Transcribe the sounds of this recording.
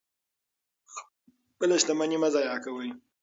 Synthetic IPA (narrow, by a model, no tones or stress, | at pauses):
pəlaʃd̪amanimazɑjɑkawəj